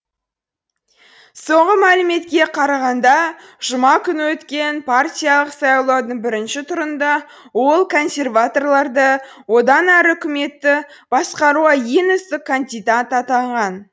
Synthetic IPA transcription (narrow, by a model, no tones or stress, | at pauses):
so̞ɴʁəmælɪme̞t̪kʲe̞qʰɑɾɑʁɑnd̪ɑʒ̥ʊmɑkʲʰʏnwɵt̪kʲe̞npʰartʲijalˠəqsɑjlˠod̪əɴbɪɾɪnʃɪt̪ʰʊɾənd̪ɑ | wo̞lˠkʰo̞nsʲe̞rvat̪o̞rlˠɑɾd̪ə | wo̞d̪ɑnæɾɪʏkʲɪme̞t̪ːɪ | b̥ɑsqɑɾuʁɑje̞nʏst̪ɪkʰːand̪ijd̪at̪ɑt̪ɑɴʁɑn